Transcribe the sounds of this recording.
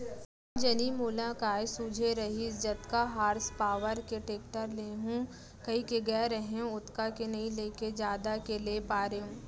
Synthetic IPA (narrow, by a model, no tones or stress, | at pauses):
d͡ʒɐnimuːlãkaːjsuːd͡ʒʱeɾɐɦid͡ʒɐt̪kaɦaːɾspaːʋəɾkeʈeːk̚ʈəɾleːɦũː | kɐikeɡɛːɾɐɦẽʊt̪kakenɐĩleːked͡ʒjaːd̪akelepaːɾeɦũː